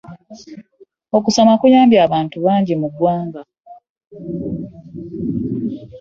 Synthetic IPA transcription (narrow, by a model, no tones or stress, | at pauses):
o̞kusomakujaːmbjaːβaːntuβaːɲɟemuɡwaːŋɡa